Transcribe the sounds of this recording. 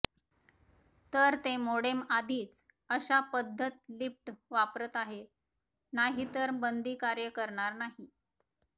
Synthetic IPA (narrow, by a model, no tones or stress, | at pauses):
t̪əɾt̪emoɽemad̪ʱiːt͡s | əɕapəd̪ʱːət̪lifʈʋapɾət̪aɦe | naɦit̪əɾbənd̪ʱiːkaɾjəkəɾɳaɾnaɦi